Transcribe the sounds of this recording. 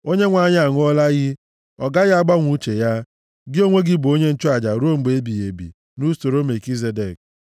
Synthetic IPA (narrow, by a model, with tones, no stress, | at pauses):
o˦ɲe˦ŋʷa˨ɲ˦a˨ŋ˦ɔ˦la˦ɣɪ˦ | ɔ˨ɡa˦ɣa˦ɡ͡ba˦ŋʷu˦t͡ʃe˨ja˦ | ɡɪ˦o˦ŋʷe˦ɡɪ˦bo˦ɲe˦n̩˦t͡ʃʊ˦a˨d͡ʒa˨ɾo˦m̩˨ɡ͡be˨e˦bi˨je˨bḭ˨ | nu˦so˨ɾo˦me˨ki˦ze˨˦de˨k̚